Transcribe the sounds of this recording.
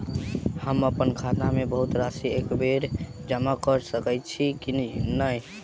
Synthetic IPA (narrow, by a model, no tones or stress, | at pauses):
həməpənkʰat̪amebəɦut̪ɾasiekbeɾ | d͡ʒəmakəɾsəkəjt͡ʃʰikinnəj